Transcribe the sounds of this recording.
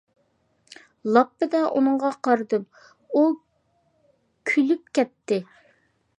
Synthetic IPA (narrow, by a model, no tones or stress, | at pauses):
lˠɑpːɨd̪ɛʔṵnɨŋʁɑqɑɾɨd̪ɨp | u | kʲʰylyp̚kʲɛt̪ːɪ